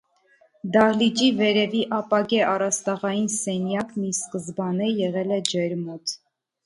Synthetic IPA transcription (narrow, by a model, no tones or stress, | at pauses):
d̪ɑhlid͡ʒivɛɾɛviʔɑpɑɡɛʔɑrɑst̪ɑʁɑjinsɛnjɑkmiskəzbɑnɛjɛʁɛlɛd͡ʒɛɾmɔt̪